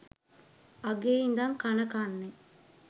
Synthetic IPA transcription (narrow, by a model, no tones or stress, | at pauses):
aɡeːind̪aŋkanəkanːe